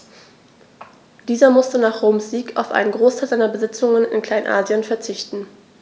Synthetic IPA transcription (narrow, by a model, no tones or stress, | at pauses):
d̥iːzɐmʊstənaːχʁoʊmsz̥iːka̰ʊfʔa̰ɪnənɡʁoːstʰaɪlzaɪnɐbəzɪt͡sʊŋənɪ̰nkʰl̥aɪnʔa̰ːzjənfɛɐt͡sɪçtn̩